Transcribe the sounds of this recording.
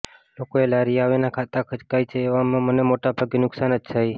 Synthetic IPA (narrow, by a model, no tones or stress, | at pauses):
lokoelaɾiaʋenakʰat̪akʰət͡ʃkajt͡ʃʰeːʋamãmənemoʈabʱaɡenʊksanəd͡ʒt̪ʰaj